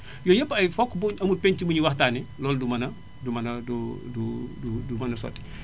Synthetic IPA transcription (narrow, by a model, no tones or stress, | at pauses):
jɔjəpːɐjfɔkːbuɐmut̚peɲtibuɲiwahtaːnɛlɔːldumɐnɐ | dumɐnɐduduudumɐnɐsɔ̰tːi̥